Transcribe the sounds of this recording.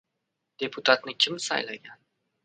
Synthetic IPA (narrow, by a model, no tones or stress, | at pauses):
d̪̥eput̪at̪nɨkʲimsa̰jlajan